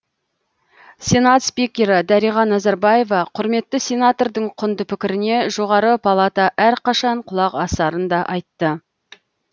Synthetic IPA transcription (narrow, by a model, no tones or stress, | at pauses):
sʲe̞nat̪spikʲːe̞ɾɪd̪æɾijʁɑnɑzɑɾbaje̞vɑqʰʊɾme̞t̪ːɪsʲe̞nat̪o̞rd̪əɴqʰʊnd̪əpʰɪkʲɪɾɪne̞ʒo̞ʁɑɾəpʰɑlˠat̪ɑʔæɾqʰɑʃɑɴqʰʊlˠɑqɑsɑɾənd̪ɑʔɑjt̪ːə